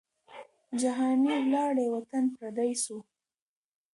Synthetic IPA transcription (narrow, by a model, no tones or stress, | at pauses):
d͡ʒaɦɑniwlɑɽewat̪anpɾad̪ajsu